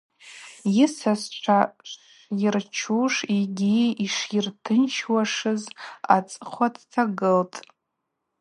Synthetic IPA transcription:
jɪsast͡ʃʷʰa | jirt͡ʃʰuʂiɡʲiiʂirtʰɨnt͡ʃʰwaʂɨza̰t͡sʼqʷʰatʰtʰaɡɨltʼ

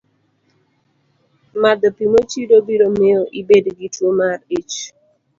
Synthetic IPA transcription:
mad̪ɔpimot͡ʃidobiɾomeɔʔibedɡitwomarit͡ʃ

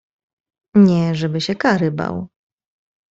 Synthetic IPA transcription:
ɲɛʐɛbɘɕɛkaɾɘba̰w

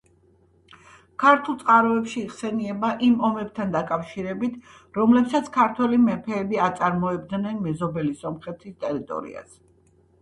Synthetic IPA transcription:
kʰaɾt̪ʰulˠt̪sʼqʼaɾɔɛpʃiːʁsɛniɛbaʔimɔmɛb̚t̪ʰand̪akʼafʃiɾɛbit̪ʰ | ɾɔmlɛpsat̪sʰkʰaɾt̪ʰwɛlimɛpʰɛːbiat̪sʼaɾmɔɛbd̪nɛnmɛzɔbɛlisɔmχɛt̪ʰist̪ʼɛɾit̪ʼɔ̰ɾḭa̰s

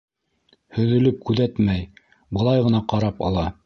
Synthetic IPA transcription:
hɵ̆ðɵ̆lɵp̚kʉðæt̪mæj | bɤ̆lˠɑjʁɤ̆nɑqɑɾɑpɑ̰lˠɑ

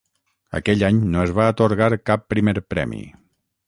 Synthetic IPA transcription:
ə̰kɛʎaɲnoezβaːt̪oɾɣaɾkapːɾimeɾpɾɛ̰mḭ

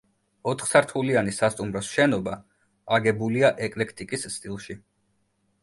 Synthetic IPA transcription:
ɔt̪ʰχsaɾt̪ʰulianisast̪ʼumɾɔsʃɛnɔba | aɡɛbuliaʔɛkʼlɛkʰt̪ʼikʼisːt̪ʼilˠʃi

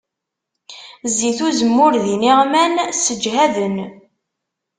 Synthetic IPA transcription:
ziθuzəmːʊɾðiniʁmænsəd͡ʒɦæðən

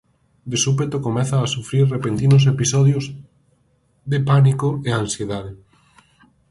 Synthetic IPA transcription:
d̪esupet̪okomeθaːsufɾiɾrepent̪inos̬episoðjoz | ðepanikoeãnsjeðaðe

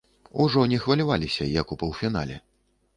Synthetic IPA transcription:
uʐɔnʲɛxvɐlʲavalʲisʲɐjɐkupɐwfʲina̰lʲɛ

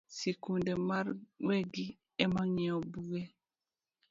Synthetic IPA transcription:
sikundemarweɡi | ɛmaɲiɔbuɡe

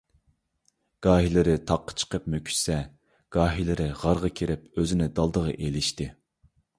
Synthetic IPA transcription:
ɡ̥ɑːɦilɪɾɪt̪ʰɑqːə̥t͡ʃʰə̥qəpmøkʲʰy̥ʃsɛ | ɡ̥ɑːɦilɪɾɪʁɑɾʁɑkʲʰeɾɪpøzɪnɪd̪ɑlˠd̪əʁɑ̰ʔelɪʃt̪ɪ

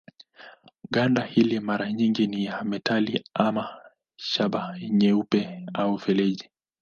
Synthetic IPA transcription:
ɠandahilimaɾaɲiŋɡinijamɛtʰaliama | ʃaɓaɲɛupɛaufɛlɛʄi

